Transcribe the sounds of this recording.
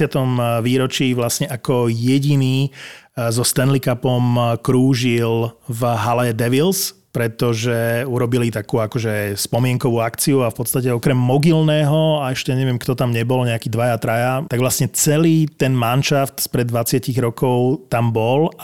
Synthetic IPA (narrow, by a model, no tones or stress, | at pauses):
ɪat̪ɔmʋiːɾɔt͡ʃiʋlasɲɛʔakɔjɛɟiniː | zɔst̪ɛnlikapɔmkɾuːʒilvɦalɛɛd̪ɛʋils | pɾɛt̪ɔʒɛuɾɔbilit̪akuːakɔʒɛspɔmɪɛŋkɔʋuːakt͡siuafpɔt̪st̪acɛɔkɾɛmːɔɡilnɛːɦɔaɛʃcɛɲɛʋɪɛmkt̪ɔt̪amɲɛbɔlɲɛakiːd̪ʋajat̪ɾajat̪aɡʋlasɲɛt͡sɛliːt̪ɛnmanʃaft̪spɾɛd̪ːʋat͡sɪaciɣɾɔkɔʊt̪ambɔl